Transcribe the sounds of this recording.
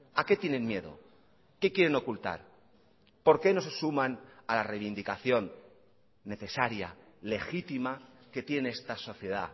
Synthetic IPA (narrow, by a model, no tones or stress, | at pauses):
ake̞t̪jenẽ̞nmje̞ðo̞̰ | ke̞kje̞ɾe̞no̞kult̪a̰ɾ | po̞ɾke̞no̞s̬e̞sumanalarejβind̪ikaθjo̞nː | e̞θe̞saɾja̰ | le̞xit̪imake̞t̪je̞neest̪aso̞θje̞ða̰